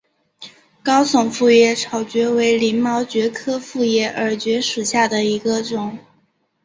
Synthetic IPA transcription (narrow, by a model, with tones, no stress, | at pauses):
kɑ˥ʊsʊ˨˩ŋfu˥˧jɛ˥˩ʈ͡ʂʰɑ˨˩ʊt͡ɕɥɛ˧˥we˧˥ɪli˧˥ŋmɑ˧˥ʊt͡ɕɥɛ˧˥kʰɤ˥fu˥˧jɛ˥˩ʔə˞˨˧˥t͡ɕɥɛ˧˥ʂɻ̩˨˩ɕja˥˩d̪ə˩i˧˥ɡə˧ʈ͡ʂʊ˨˩˦ŋ